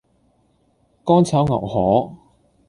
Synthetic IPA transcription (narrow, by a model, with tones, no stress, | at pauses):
kɔː˥nt͡sʰɐ˨˥wŋɐ̰˨˩whɔː˨˥